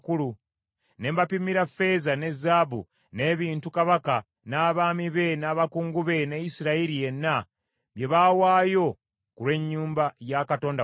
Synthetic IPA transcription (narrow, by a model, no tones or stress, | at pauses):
kulu | ne̞ːmbapimiɾafe̞zane̞zaːβṵ | ne̞ːβiːntukaβaka | naːβaːmiβe̞naːβakuːŋɡuβe̞nejisiɾaiɾije̞nːa | βje̞βaːwaːjo̞ | kulwe̞ɲːuːmbajakato̞ːnda